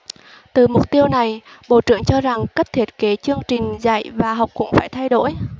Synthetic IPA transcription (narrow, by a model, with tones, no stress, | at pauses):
t̪ɨ˨˩mʊ˨˩k͡p̚t̪i˧əwna˨˩j | ɓo̰˧˨t͡ɕɨ̰˧˨əŋt͡ɕɔ˧za˨˩ŋkə˦˥t̚t̪ʰi˦˥ət̚ke˨˦t͡ɕɨ˧əŋt͡ɕï˨˩ŋ̟za̰˧˨jvaː˨˩ɦa˨˩wk͡p̚kʊ̰˧˥ŋ͡mfaː˧˩jt̪ʰa˧jɗo̰˧˥˨j